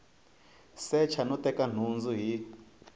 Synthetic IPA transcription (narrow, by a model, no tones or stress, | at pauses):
sɛt͡ʃʰanutɛkan̤und͡zuɦi